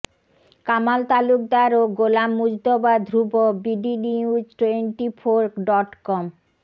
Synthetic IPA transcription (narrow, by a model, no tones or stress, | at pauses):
kamalt̪aluk̚d̪aɾoɡolamːud͡ʑd̪obad̪ʱɾubobiɖiniud͡ʑʈeɳʈifʰoɾkɖɔʈkɔm